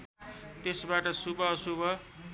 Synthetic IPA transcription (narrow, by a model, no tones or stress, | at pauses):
t̪esbaʈʌsubʌsubʱʌ